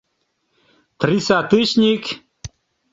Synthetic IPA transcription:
t̪risat̪ɨɕnʲik

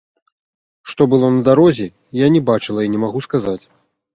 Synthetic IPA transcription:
ʂt̪ɔbɨlˠɔnɐd̪aɾɔzʲi | janʲɛbat͡ʂɨlˠɐinʲɛmaɣuskazat͡sʲ

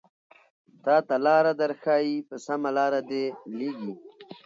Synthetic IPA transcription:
t̪aːt̪alaːɾad̪ɐɾxaːipəsamalaːɾad̪eliːɡi

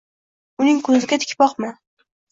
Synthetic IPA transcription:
ʊnɪŋkʰɵzɪɡʲat̪ʰɪ̥kʲpɒqmɪ

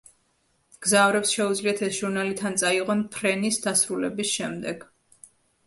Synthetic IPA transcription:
ɡ̥zavɾɛpsʃɛud̪zliat̪ʰɛsʒ̥uɾnalit̪ʰant̪sʼaiʁɔnpʰɾɛnisd̪asɾulɛbisʃɛmd̪ɛɡ̥

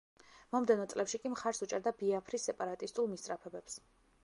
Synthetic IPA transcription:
mɔmd̪ɛnɔt̪sʼlɛpʃikʼimχaɾsut͡ʃʼɛɾd̪abiapʰɾisːɛpʼaɾat̪ʼist̪ʼulˠmist̪ʼɾapʰɛbɛps

